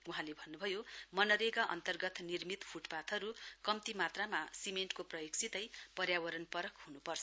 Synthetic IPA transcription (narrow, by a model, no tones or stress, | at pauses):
uɦãlebʱʌnːubʱʌjomʌnʌɾeɡaʔʌ̰nt̪ʌrɡʌt̪nirmit̪pʰuʈbat̪ʰʌɾukʌmt̪imat̪ramasimeɳʈkoprʌjoksʰit̪ʌjpʌrjawʌɾʌnpʌɾʌkhunupʌrt͡sʰʌ